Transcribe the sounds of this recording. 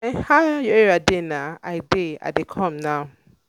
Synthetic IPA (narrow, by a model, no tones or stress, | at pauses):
ɛ̃nhajueɹadenaa̰ɪdea̰dekʰɔ̃mnaʊ